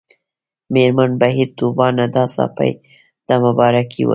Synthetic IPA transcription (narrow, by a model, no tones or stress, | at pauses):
meɾmanbaɦiɾt̪ubɑnad̪ɑsɑ̰pa̰j | d̪̥əməbɑɾakʰḭwə̰